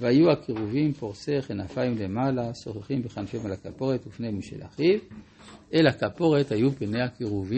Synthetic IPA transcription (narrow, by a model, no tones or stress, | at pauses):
veajuakiʁuvimpo̞ʁseχenafaimle̞malaso̞χeχimbeχanfemalakapo̞ʁetufnejmiʃḛlʔa̰χiv | ʔelakapo̞ʁethajupene̞hakiʁuvi